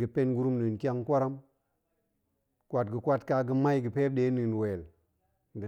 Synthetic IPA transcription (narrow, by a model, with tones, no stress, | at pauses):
ɡə˨pe˦nɡu˦ɾu˦mni˨nki˦a˦ŋkʷa˦ɾa˦m | kwʷa˨tɡə˨kʷwa˦tka˨ɡə˦ma˦jɡə˨pe˦b̚ɗe˦ni˨n˨we˨l | ɡə˨